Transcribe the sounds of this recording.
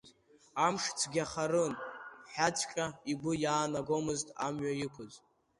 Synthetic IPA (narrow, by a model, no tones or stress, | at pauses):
amʂt͡sʰɡʲaχaɾɨnħat͡ʃʰʼkʲʼaiɡʷɨjaːnaɡomɨztʼa̰mɥajikʷʰʊz